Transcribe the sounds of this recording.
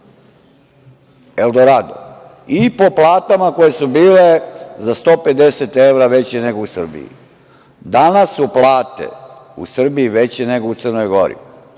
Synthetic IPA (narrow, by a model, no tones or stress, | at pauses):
eld̪oɾad̪o̰ | ipo̞plˠaːt̪amako̞je̞subiːle̞zast̪o̞ːpe̞d̪e̞set̪e̞ʋɾaʋe̞t͡ɕene̞ɡousr̩bḭḭ | d̪anasuplˠaːt̪e̞̰ṵsr̩biiʋe̞t͡ɕene̞ɡo̞ut̪sərnojɡo̞ɾḭ